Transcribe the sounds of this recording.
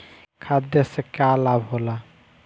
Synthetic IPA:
kʰad̪jasekalabɦola

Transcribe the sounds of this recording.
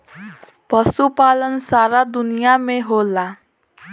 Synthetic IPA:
pʌsupalʌnsaɾad̪unijameɦola

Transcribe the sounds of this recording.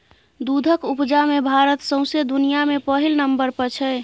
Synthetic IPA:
d̪ud̪ʱəkupd͡ʒamebʱaɾət̪sə̃ʊ̃sed̪unijamepəɦilnəmbəɾpəɾt͡ʃʰɛ

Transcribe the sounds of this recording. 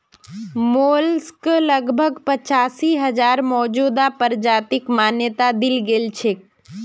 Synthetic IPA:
moːlskləɡbʱəɡpət͡ʃaːsiɦəd͡ʒaːɾmɔːd͡ʒuːd̪apəɾd͡ʒaːt̪ɪkmaːnjət̪ad̪ɪlɡelt͡ʃʰe

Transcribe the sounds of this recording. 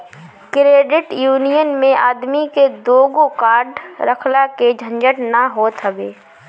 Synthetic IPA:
kɾeːɖɪʈjuːnijənmẽaːd̪miked̪oːɡokaːɾɖɾəkʰlaked͡ʒʱə̃nd͡ʒəʈnaɦoːt̪ɦəbeː

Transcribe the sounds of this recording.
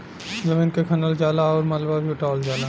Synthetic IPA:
d͡ʒɐmĩːnkekʰɐnəld͡ʒaːlaɔːɾmat̪lbabʱiʊʈaːld͡ʒaːla

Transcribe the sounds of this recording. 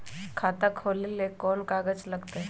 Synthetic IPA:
kʰaːt̪akʰoːlilekɔːnkaːɡəd͡ʒlɐɡt̪eɦ

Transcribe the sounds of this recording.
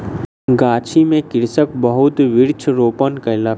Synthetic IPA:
ɡaːt͡ʃʰimẽkɪɾsək̚bəɦʊt̪ʋɪɾt͡ʃʰɾoːpənkəla

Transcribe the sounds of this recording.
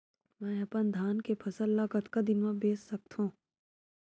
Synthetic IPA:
mɛ̃ːɐpənd̪ʱaːnkepʰɐsəlːaːɡət̪kad̪ɪnʋãbeːsːɐk̚t̪ɦũː

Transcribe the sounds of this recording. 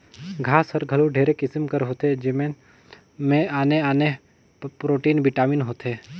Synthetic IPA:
ɡʱaːsəɾɡʱəluɖʱeːɾekɪsəmkəɾɦoːt̪ed͡ʒɪmẽ | mẽaːneaːne | pɾoːʈiːnbɪʈaːminɦoːt̪eː

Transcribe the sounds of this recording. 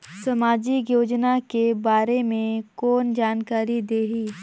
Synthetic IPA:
sɐmaːd͡ʒikjoːd͡ʒnakebaːɾemẽkɔːnd͡ʒaːnkaːɾid̪eːɦiː

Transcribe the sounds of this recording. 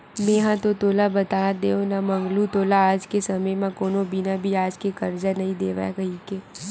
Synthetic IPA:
mẽːɦãt̪ot̪oːlabɐt̪aːd̪eːonamɐ̃ŋɡlut̪oːlaaːd͡ʒkesɐməjmẽkoːnobɪnabʱiaːd͡ʒkekɐɾd͡ʒanɐɦĩd̪eːʋa̰kɐɦikeː

